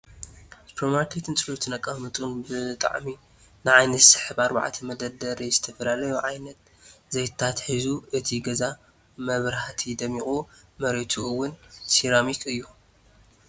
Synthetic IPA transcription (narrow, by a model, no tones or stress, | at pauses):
sɨ̥pʰɐɾmaɾkʰet̪ʰɨnt͡sʼɨlut̪ʰɨnɐkʼɐmɨt̪ʼunbɨt̪ʼa̰ʕmi | nɨʕajnɐt̪sɨ̥ħɨβaɾba̰ʕ̰t̪ʰɐmɐd̪ɐd̪ɐɾizɨt̪ʰɐfɐlalɐjuʕajnɐt̪ | zejt̪t̪ʰat̪ħizuɨt̪ʰiɡɐza | mɐβɾhat̪ʰid̪ɐmiχʼumɐɾet̪ʰuɨwːʊnsiɾamikʰɨjːu